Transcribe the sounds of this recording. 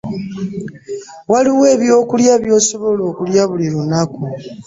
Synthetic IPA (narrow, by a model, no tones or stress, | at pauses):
waliwe̞ːβjo̞ːkuljaβjo̞ːso̞βo̞lo̞ːkuljaβuliɾunaku